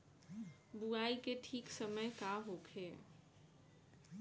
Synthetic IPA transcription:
buaːikeʈʰiːksəməjkaɦokʰeː

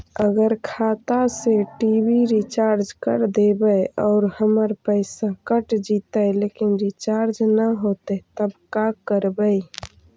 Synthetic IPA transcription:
əɡəɾkʰaːt̪aseʈiːbiɾit͡ʃaːɾd͡ʒkəɾd̪ebəjɔːɾhəməɾpəɪsakəʈd͡ʒiːt̪aeleːkɪnɾit͡ʃaːɾd͡ʒnəɦoːt̪et̪əbkakəɾbəi

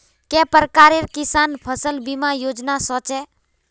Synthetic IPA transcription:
kɛpəɾkaːɾeɾkɪsaːnpʰəsəlbimãjoːd͡ʒnasɔt͡ʃɛ

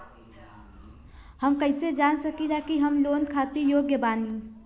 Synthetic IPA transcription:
həmkəɪsed͡ʒaːnsəkilakiɦəmloːnkʰaːt̪ijoːɡjəbaːni

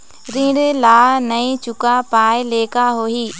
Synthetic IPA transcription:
ɾĩːɽlaːnɐĩt͡ʃʊkapaːeleːkaɦoːiː

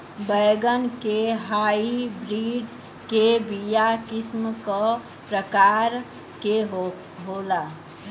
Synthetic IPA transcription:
bəjɡənkeɦaːibɾiːɖ | kebijakɪsmkə | pɾəkaːɾ | keɦ | ɦola

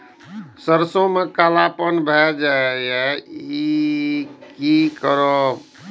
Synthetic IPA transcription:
səɾsõmekalapənbʱɛd͡ʒaeɛi | kikəɾo

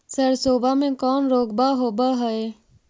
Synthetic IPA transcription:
səɾsoːbaːmẽkɔːnɾoːkbaːɦoːbaɦəeː

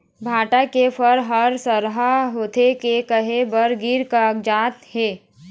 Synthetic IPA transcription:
bʱaːʈakepʰəɾɦəɾsəɾɦaɦoːt̪ʰekekəɦebəɾɡiɾkakd͡ʒaːt̪heː

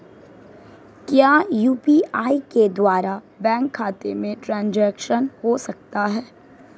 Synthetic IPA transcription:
kjaːjuːpiaːiked̪waːɾa | bɛ̃ːŋkʰːaːt̪emẽʈɾãːnd͡ʒɛːkʃənhosɐk̚t̪aɦɛː

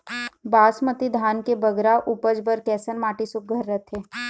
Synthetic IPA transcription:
baːsmət̪id̪ʱaːnkebɐɡɾaʔupəd͡ʒbəɾkɛːsənmaːʈisʊk̚ɡʱəɾːət̪ʰeː

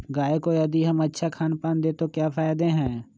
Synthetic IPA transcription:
ɡaːekojɐd̪iɦəmɐtːʃʰakʰaːnpaːnd̪eːt̪okjaːfʰaːjɪd̪eɦɛ̃ː

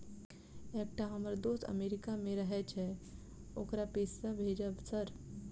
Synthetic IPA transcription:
ek̚ʈaɦəməɾd̪ost̪ə̰meɾikameɾəɦɛt͡ʃʰɛ | okɾapesəbʱed͡ʒəbsəɾ

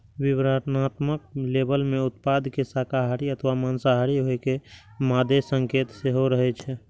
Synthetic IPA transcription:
ʋibɾatnat̪mək̚lebəlmeʊt̪̚pad̪ʱkesakaɦaɾiət̪ʰʋamansaɦaɾiɦoekemad̪ʱesəŋkeːt̪seɦoɾəɦɛt͡ʃʰɛ

